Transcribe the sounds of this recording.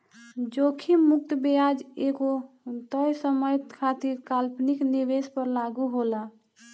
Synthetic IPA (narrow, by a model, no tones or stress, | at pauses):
d͡ʒokʰimuk̚t̪əbejad͡ʒeɡo | t̪əjsəməjt̪kʰat̪iɾkalpnikniʋespəɾlaɡuɦola